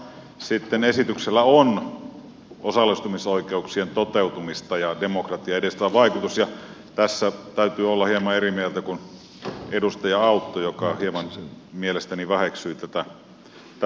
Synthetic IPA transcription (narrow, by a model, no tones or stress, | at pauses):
sit̪ːenesit̪ykselːæon | osɑlːist̪umisoikeuksient̪ot̪eut̪umist̪ɑjɑdemokrɑt̪iɑedest̪æʋɑikut̪usjɑ | t̪æsːæt̪æyt̪yːolːɑhiemɑerimielt̪ækun | edust̪ɑjɑɑut̪ːojokɑhiemɑn | mielest̪æniʋæheksyit̪æt̪æ | t̪